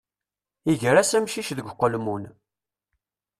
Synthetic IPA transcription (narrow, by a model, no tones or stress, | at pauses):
iʝɾæsæmʃiʃðəɡʷqːəlmun